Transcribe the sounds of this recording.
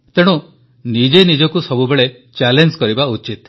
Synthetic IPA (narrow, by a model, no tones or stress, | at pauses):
t̪eɽ̃u | nid͡ʒenid͡ʒɔkusɔbubeɭe | t͡ʃalenskɔɾibaut͡ʃit̪